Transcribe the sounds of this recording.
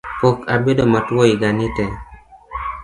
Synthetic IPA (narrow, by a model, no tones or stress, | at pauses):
pokabedomatwoiɡanite